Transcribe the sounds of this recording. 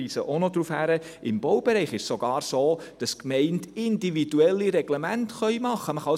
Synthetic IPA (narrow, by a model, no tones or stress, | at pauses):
isəʔonodɾuːfhæɾə | ʔɪmb̥owb̥ɛɾɛɪχɪʃsoɡ̥ɑːɾsoː | d̥ɑskmɛɪntɪndividuɛlːiɾɛɡ̥lɛmæntχœʏmɑχəməχɑ